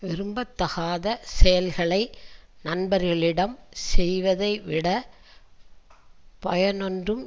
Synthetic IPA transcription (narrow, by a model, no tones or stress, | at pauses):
ʋɪɾɯmbɐt̪ːɐɣaːðɐsɛjɐlɣɐɭɐɪnɐnbɐɾɣɐɭɪɽɐmsɛjʋɐðɐɪʋɪɽɐ | pɐjɐnɔndrɯm